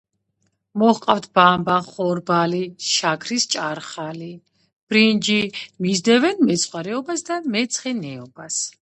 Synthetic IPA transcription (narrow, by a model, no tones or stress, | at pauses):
mɔχqʼaft̪ʰbambaχɔɾbaliʃakʰɾist͡ʃʼaɾχali | b̥ɾind͡ʒimizd̪ɛvɛnmɛt̪sʰχwaɾɛɔbasd̪amɛt̪sʰχɛnɛɔbas